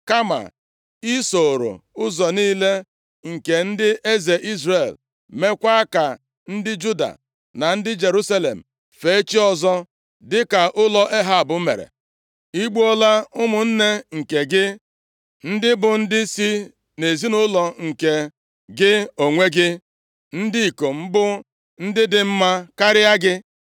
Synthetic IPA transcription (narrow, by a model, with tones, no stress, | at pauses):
ka˦ma̰˨ | i˦so˨ɾo̰˨ʊ˦zɔ˨niː˦le˦ | ŋ̩˨ke˨n̩˦dɪ˦ʔe˦ze˨ʔi˦zre˨l | me˦kʷa˦a˦ka˨ | n̩˦dɪ˦d͡ʒu˦da̰˨ | na˨n̩˦dɪ˦d͡ʒe˨ɾu˦sa˦lḛ˨m̩˨ | fe˨˦e˦t͡ʃi˦ɔ˦zɔ˦ | dɪ˦ka˨ʔʊ˦lɔ˦ʔe˦ɦa˦˨a˨bʊ˨˦mḛ˨ɾḛ˨ | i˦ɡ͡bu˦ɔ˦la˦ʊ˦mʊ˨n̩˦ne˦ŋ̩˨ke˨ɡɪ˦ | n̩˦dɪ˦bʊ˨n̩˦dɪ˦si˦ | ne˨zi˦nʊ˦lɔ˨ŋ̩˨ke˨ | ɡɪ˦o˨ŋʷe˦ɡɪ˦ | n̩˦di˦i˨ko˨m̩˦bʊ˦ | n̩˦dɪ˦dɪ˨m̩˦ma˦ka˦ɾɪ˦a˦ɡɪ˦